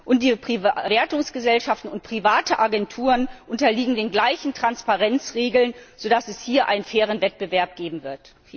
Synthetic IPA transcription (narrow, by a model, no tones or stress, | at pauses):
ʔʊnt̚d̥iːpʁ̥ivɛːɐtʊŋsɡ̥əzɛlʃaftn̩ʊnt̚pʁ̥ivaːtəʔaɡɛntʰuːʁənʔʊntɐliːɡŋ̩deːnɡlaɪçn̩tʁ̥anspaʁɛnt͡sʁeːɡl̩nz̥oːdasɛshiːɐʔa̰ɪnənfɛːʁ̞ənvɛt̚b̥əvɛɐp̚ɡ̥eːbm̩vɪɐt